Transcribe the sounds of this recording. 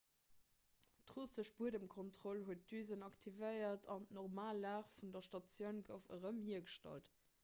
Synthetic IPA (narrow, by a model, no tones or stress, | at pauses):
tʁosəʃb̥uədəmkʰontʁolhuət̚dyːzənɑktʰivəɪɐtʰɑntnɔʁmaːlːaːχfundɐʃtɑt͡sjəʊnɡəʊfə̰ʁəmhiɐɡəʃtɑ̰lt